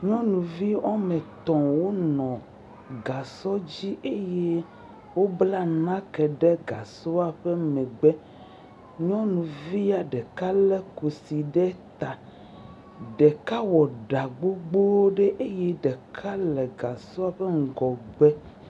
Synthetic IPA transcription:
ɲɔ̃˦nũ˨vi˦ɔ˦mɛ̃˨t̪ɔ̃˨wo˦nɔ̃˨ | ɡa˨sɔ˦d͡ʑi˦ʔe˦je˦ | wo˦bla˦nã˦kɛ˨ɖɛ˦ɡa˨so˦a˨ɸe˦mɛ̃˨ɡ͡bɛ˦ | ɲɔ̃˦nũ˨vi˦a˨ɖɛ˨ka˦lɛ˦ku˨si˨ɖɛ˦t̪a˨ | ɖɛ˨ka˦wɔ˨ɖa˨ɡ͡bo˦ɡ͡bo˦wo˦ɖe˦ʔe˦je˦ɖɛ˨kʰa˦lɛ˨ɡa˨sɔ˦a˨ɸe˦ŋ̩˨ɡɔ˨ɡ͡bɛ˦

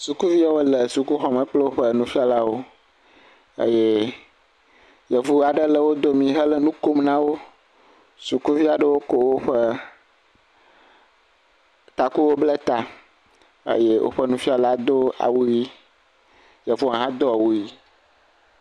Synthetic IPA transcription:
su˨ku˦vi˦a˦wo˦lə˨su˨ku˦xɔ˨mə̃˨k͡ple˦wo˦ɸə˦nũ˨fi˦a˨la˦wo˦ | ḛ˦je˦ | jə˨vu˦a˨ɖə˦lə˦wo˦d̪o˦mĩ˨ɦə˦lə˦nũ˦ko˦mnã˦wo˦ | su˨ku˦vi˦a˨ɖə˦wo˦ko˦wo˦ɸə˦ | t̪a˨ku˦wo˦blə˦t̪a˨ | ḛ˦je˦wʔo̰˦ɸə˦nũ˨fi˦a˨la˦d̪o˦a̰˨wu˦ji˦ | jə˨vu˦ã˨ɦã˦d̪o˦a˨wu˦ji˦

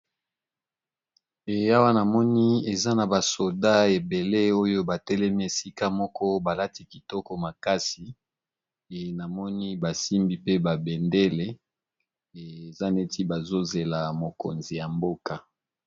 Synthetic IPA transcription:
e˨a˦wa˦na˨mɔ˦ni˦e˨za˦na˨ba˨so˨da˦e˨be˨le˦o˦jo˦ba˨tɛ˦lɛ˦mi˦e˨si˦ka˦mɔ˦kɔ˦ba˨la˦ti˨˦ki˨tɔ˦kɔ˦ma˨ka˦si˨ | e˨na˨mɔ˦ni˦ba˨si˦mbi˦pe˦ba˨bɛ˨nde˦le˦ | e˨e˨za˦ne˦ti˦ba˨zo˦ze˨la˨mo˨ko̰˨nzi˨ja˨mbo˦ka˨

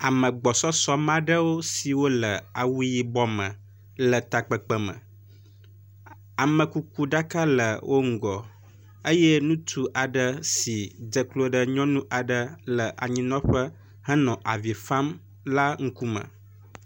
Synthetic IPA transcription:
a˨mə̃˨ɡ͡bɔ˨sɔ˦sɔ˦mã˦ɖə˦wo˦si˨wo˦lə˨a˨wu˦ji˦bɔ˦mə̃˨ | lə˨t̪a˨k͡pə˨k͡pə˦mə̰̃˨ | a˨mə̃˨ku˦ku˦ɖa˦ka˦lə˨wʔo˦ŋ̩˨ɡɔ˨ | ə˦jɛ˦nũ˦t̪ʰu˦ʔa˨ɖə˦si˨d͡ʒə˨klo˦ɖə˦ɲɔ̃˦nũ˦ʔa˨ɖə˦lə˨ʔa̰˨ɲĩ˨nɔ̃˦ɸə˦ | hə̃˦nɔ̃˨ʔa˨vi˨fa˦m | la˦ŋ̩˦ku˦mə̰̃˨

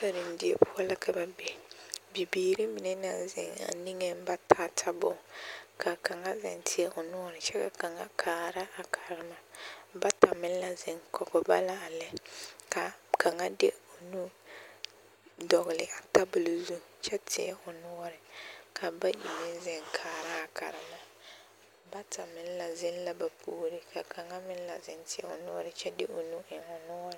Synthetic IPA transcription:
sa˨ɾi˨n̩˦dɪ˦ḛ˦pʰʊ˦ɔ˦la˦kʰa˨ba˨be˨bi˨biː˨ɾi˦mi˨nɛ˦na˨zɪ̰˨ŋa̰˨ni˦ŋe˦m˦ba˦tʰa˦tʰa˦bʊ̰˨kʰa˨ka˨ŋa˦zɪ̰˨ntʰɪ˦ɛ˦ʔʊ˨nʊ˦ɔ˦ɾɪ˨t͡ʃɛ˦ka̰˨ka˨ŋa̰˦kʰaː˨ɾa˦ʔa˨kʰa˨ɾɪ˦ma˨ba˦ta˨mɪ˦la˦zɪ˦ŋkʰɔ˨kɔ˨ba̰˦la˦a˨lɛ˦ka˨kʰa˨ŋa˦dɪ˦ʊ˨nu˦ | dɔ˨ɣɪ˨lɪ˨ʔa˨ta˦bʊ˨lzu˦ | t͡ʃɛ˦tʰɪ̰˨ɛ̰˦ʊ˨nʊ˦ɔ˦ɾɪ˨kʰa˨ba˦ji˨me˦zɪ˦ŋkʰaː˨ɾa˦a˨kʰa̰˨ɾɪ˦ma˨ | ba˦ta˨mɪ˦n˦la˨zɪ˦n˦la˨ba˨pʰuː˦ɾɪ˨kʰa˨kʰa˨ŋa˦mɪ˦n˦la̰˨zɪ˦ntɪ˨ɛ̰˦ʊ̰˨nʊ˦ɔ˦ɾɪ˨t͡ʃɛ˦dɪ̰˦ʔʊ˨nu˦ʔɪ˨ŋʊ˨nʊ˦ɔ˦ɾɪ˨

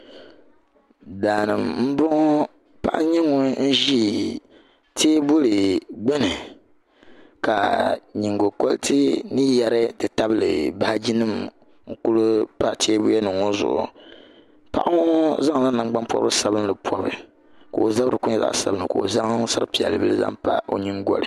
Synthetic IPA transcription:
daː˨nɨ˨mm̩˦bɔ˦ŋ˦ | pa̰˨ʔa˦ɲɛ˦ŋo˨n̩˦ʒi˦ | tʰeː˦bʊ˦lɨ˨ɡ͡bɛ˦nɨ˨ | ka˨ɲi˨ŋɡo˨ko˦ltʰɨ˦nɨ˦jɛ˨ɾɨ˦dɨ˨ta˦bɨ˦lɨ̰˨ba˦ha˦d͡ʒi˦nɨ˦m | ŋ̩˨ku˦lu˦pa˦tʰeː˦bʊ˦jɛ˦nɨ˨ŋo˦zʊ̰˨ʔʊ̰˨ | pa̰˨ʔa˦ŋo˦za˦ŋ˨la˦nɨ˨ɡ͡ba˦npɔ̰˦bɨ˦sa˨bɨ˦n˦lɨ˨pʰɔ˨˦bɨ̰˨ | ko˨o˨za˦bɾɨ̰˨ku˦ɲɛ˦za̰˨ʔsa̰˨bɨ˦nɨ˨ko˨o̰˨za˦ŋ˦sa˦ɾɨ˦pi˨ɛ̰˨lːɨ˨bɨ˦lɨ˦za̰˦ŋpa̰˦o̰˦ɲi˦ŋɡɔ̰˨lɨ̰˨

